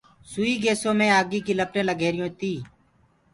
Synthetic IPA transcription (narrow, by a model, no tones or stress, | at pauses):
suːiːɡeːsõːmẽːaːɡiːkiːləpɾẽːləɡeːɾɪjõːt̪iː